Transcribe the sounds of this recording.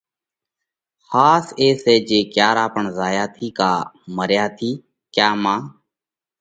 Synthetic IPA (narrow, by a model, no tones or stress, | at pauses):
xaːseːseːd͡ʒeːkjaːɾaːpəɳzaːjaːt̪ʰiːkaːməɾjaːt̪ʰiː | kjaːmãː